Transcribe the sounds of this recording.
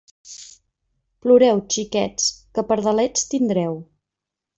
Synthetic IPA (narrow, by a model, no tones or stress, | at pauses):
pluɾɛwt͡ʃikɛt͡skəpəɾðəlɛt͡st̪ind̪ɾɛw